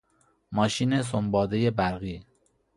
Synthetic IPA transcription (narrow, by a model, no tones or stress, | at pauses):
mɒːʃiːnes̬ombɒːd̪ejebæɾɣiː